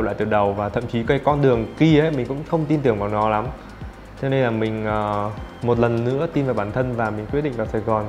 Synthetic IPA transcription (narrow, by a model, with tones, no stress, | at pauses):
wla̰ː˧˨t̪ɗə˨˩wvaː˨˩t̪ʰə̰˧˨mt͡ɕi˨˦kka˨˦kɔ˧nɗɨ˨˩əŋki˧ʔə˨˦jmï˨˩ŋ̟kʊ̰˧˥ŋ͡mxə˧wŋ͡mt̪i˧nt̪ɨ˨˩əŋvaː˨˩wnɔ˨˦la˨˦m | t͡ɕɔ˧ne˧nlaː˨˩mï˨˩ŋ̟ʔəː˨˩mo˨˩t̚lə˨˩nːɨ̰˧˥ət̪i˧nvaː˨˩wɓaː˧˩nt̪ʰə˧nvaː˨˩mï˨˩kwt̚ɗḭ˧ŋ̟vaː˨˩wsaː˧˩jɣɔ˨˩n